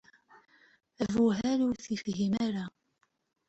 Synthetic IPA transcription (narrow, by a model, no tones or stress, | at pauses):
ævuɦæɾuθifɦimaɾa